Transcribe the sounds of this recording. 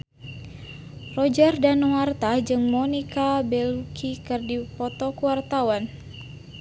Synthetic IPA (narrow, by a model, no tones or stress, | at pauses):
rɔd͡ʒardanwart̪ad͡ʒɨŋmɔnikabɛlukʰikɨrdipɔt̪ɔkuwart̪awan